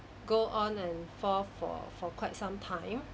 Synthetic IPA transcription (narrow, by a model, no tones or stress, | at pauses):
ɡoʔɔ̃nɛ̃nfɔfɔ̰fɔkwaɪt̚sãmtʰãɪ̃m